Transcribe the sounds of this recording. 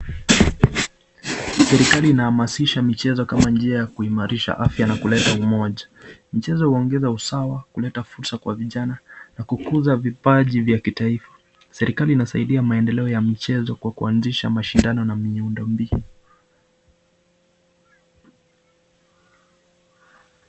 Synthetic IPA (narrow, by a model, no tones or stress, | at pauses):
sɛɾikaliːnahamasiʃamit͡ʃɛzɔkamand͡ʒiajakuimaɾiʃa̰ʔafjanakulɛtaumɔʄa | mit͡ʃɛzɔhuɔŋɡɛzausawakulɛtafuɾsakwaviʄananakukuzavipaʄivjakitaifḁ | sɛɾikaliːnasaiɗiamaɛndɛlɛɔjamit͡ʃɛzɔkwakuanziʃa̰maʃindanɔnamiundɔmbi